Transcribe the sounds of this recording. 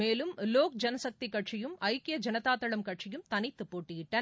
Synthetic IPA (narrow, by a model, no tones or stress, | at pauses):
eːlɯmloːk̚d͡ʒɐnɐsɐk̚t̪ikːɐʈʂɪjɯmɐɪkːɪjɐd͡ʒɐnɐt̪aːt̪ːɐɭɐmkɐʈʂɪjɯmt̪ɐnɪt̪ːɯpoːʈːɪjɪʈːɐ